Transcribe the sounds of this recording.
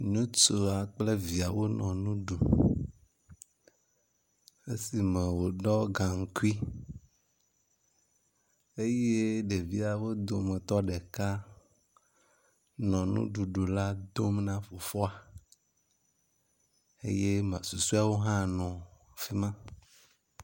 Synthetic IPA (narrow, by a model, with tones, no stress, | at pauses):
ɲũ˦t͡ʃo˨a˨k͡ple˦vi˨a˨wo˦nɔ̃˨nũ˦ɖu˨ | e˦si˨mẽ˨wo˨ɖɔ˦ɡã˨ŋ̩˨ku˦i˦ | e˦je˦ɖe˨vi˦a˨wo˦d̪o˨mẽ˨t̪ɔ˦ɖe˨ka˦ | nɔ̃˨nṵ̃˦ɖu˨ɖo˨la˦d̪o˦mnã˦fo˨fɔ˦a˨ | ḛ˦je˦mã˨su˨su˦a˨wo˦ɦã˦nɔ̃˨ | fi˦mã˦